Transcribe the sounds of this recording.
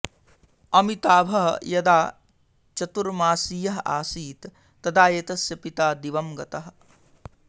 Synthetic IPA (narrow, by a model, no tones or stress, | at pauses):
ɐmit̪aːbʱɐɦɐ̰jɐd̪aː | t͡ʃɐt̪uɾmaːsijɐɦɐaːsiːt̪ː | ɐd̪aːjet̪ɐsjɐpit̪aːd̪iʋɐmɡɐt̪ɐɦɐ